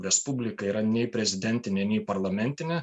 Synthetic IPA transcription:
ɾʲɛspʊbʲlʲɪkɐiːɾɐnʲɛɪpʲɾʲɛzʲɪd̪ʲɛnʲt̪ʲɪnʲɛnʲɛɪpɐɾlˠɐmʲɛnʲt̪ʲɪnʲɛ

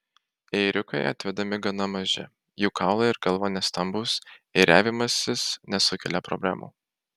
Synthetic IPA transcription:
ɛɪɾʲʊkɐɪɐ̰t̪ʲʋʲɛd̪ɐmʲɪɡɐn̪ɐmɐʒʲɪ̰ | juːkʰɑˑʊlˠɐɪɾɡɐlˠʋoːnʲɛst̪ɐmbuːsɪɾʲæːʋʲɪmɐsʲɪsnʲɛsʊkʲɛlʲɛpɾɔ̰bʲlʲæ̰ːmʔṵ

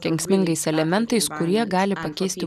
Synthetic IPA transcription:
kʲɛŋksʲmʲɪŋɡɐɪsɛlʲɛmʲɛnt̪ɐɪskʊɾʲiɛɡɑːlʲɪpɐkʲɛɪsʲt̪ʲɪ

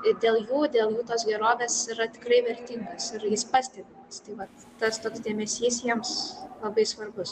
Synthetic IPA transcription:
ɪd̪ʲeːlˠjuːd̪ʲeːlˠjuːt̪oːsɡʲɛɾoːʋʲeːsɪɾɐt̪ʲɪ̥krɐɪʋʲɛɾʲt̪ʲiŋɡɐsɪrjɪspɑːsʲt̪ʲɛdʲɪmɐst̪ɐɪʋɐt̪ | t̪ɐst̪oːksdʲeːmʲɛsʲiːsjiɛmslˠɐbɐɪsʋɐrbʊs

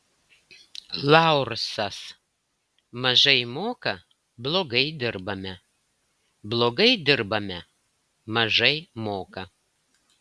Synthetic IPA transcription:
lˠɑˑʊɾsɐs | mɐʒɐɪmoːkɐ | blˠoːɡɐɪd̪ʲɪɾbɐmʲɛ | blˠoːɡɐɪd̪ʲɪɾbɐmʲɛ | mɐʒɐɪmoːkɐ

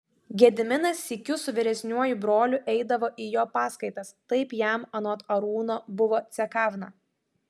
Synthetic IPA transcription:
ɡʲɛd̪ʲɪmʲɪnɐsʲːɪkʲʊsʊʋʲɪɾʲɛsʲnʲuɔjʊbɾoːlʲʊʔɛɪd̪ɐʋoːʔiːjoːpɑːskɐɪt̪ɐst̪ɐɪpjæmɐnɔt̪ɐɾuːnoːbʊʋoːt̪sʲɛkɑːʋnɐ

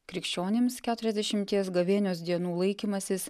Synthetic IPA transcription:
kɾʲɪkʃʲt͡ʃʲoːnʲɪmskʲæːt̪ʊɾʲɛzʲd̪ʲɛʃʲɪmʲt̪ʲiɛsɡɐʋʲeːnʲoːsd̪ʲiɛnuːlˠɐɪkʲiːmɐsʲɪs

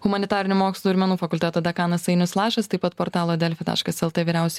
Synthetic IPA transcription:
hʊmɐnʲɪt̪ɑːɾʲɪnʲʊmoːkslˠuːɪɾʲmʲɛnuːfɐkʊlʲt̪ʲɛt̪oːd̪ɐkɑːnɐsɐɪnʲʊslˠɑːʃʲɛst̪ɐɪpɐt̪poːɾt̪ɑːlˠoːd̪ʲɛlʲfʲɪt̪ɑ̰ːʃkɐsɛlˠt̪eʋʲiːɾʲæˑʊsʲɛ

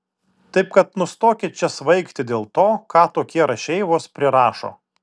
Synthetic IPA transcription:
t̪ɐɪpkɐt̪nʊst̪oːkʲɪt͡ʃʲɛsʋɐɪkt̪ʲɪd̪ʲeːlˠt̪oːkɑːt̪oːkʲiɛɾɐʃʲɛɪʋoːspʲɾʲɪɾɑːʃo̰ː

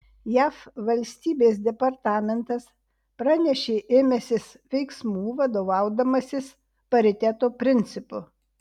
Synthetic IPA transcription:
jæːfʋɐlʲsʲt̪ʲiːbʲeːs̬d̪ʲɛpɐɾt̪ɑːmʲɛnt̪ɐs | pɾɑːnʲɛʃʲeːʔeːmʲɛsʲɪs | ʋʲɛɪksmuːʋɐd̪oːʋɑˑʊd̪ɐmɐsʲɪs | pɐɾʲɪt̪ʲɛt̪oːpʲɾʲɪnʲt̪sʲɪpʊ

